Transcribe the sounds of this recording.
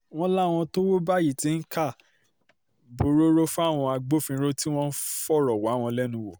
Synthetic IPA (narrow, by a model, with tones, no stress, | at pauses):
w̃ɔ̃˦la˦˨w̃ɔ̃˧to˦wo˦ba˦˨ji˦˨tĩ˨˦n̩˦ka˦˨ | bo˨ɾo˦ɾo˦fw̃ɔ̃˧a˧ɡ͡bo˦fĩ˧˦ɾo˦ti˦w̃ɔ̃˦n̩˦fɔ˦˨ɾɔ˨wa˨˦w̃ɔ̃˧lɛ˦nũ˧wo˨